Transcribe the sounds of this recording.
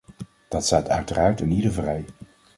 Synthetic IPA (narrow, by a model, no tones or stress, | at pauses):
d̥ɑtstaːtœɥtəraːɹtənidəɹvrɛj